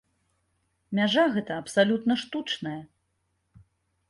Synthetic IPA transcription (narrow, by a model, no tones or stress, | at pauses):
mʲaʐaɣɛt̪ɐːpsalʲut̪nɐʂt̪ut͡ʂnɐjɐ